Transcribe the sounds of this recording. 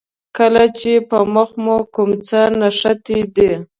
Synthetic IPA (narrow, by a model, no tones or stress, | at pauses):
kəlat͡ʃepəmʊxmukʊmt͡sənaʂat̪id̪i